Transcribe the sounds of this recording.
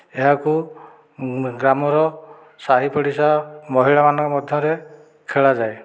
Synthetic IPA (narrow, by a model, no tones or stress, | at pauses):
eɦaku | ɡɾamɔɾɔ | saɦipɔɽisamɔɦiɭamanɔ̃ŋkɔmɔd̪ʱjɔɾe | kʰeɭad͡ʒae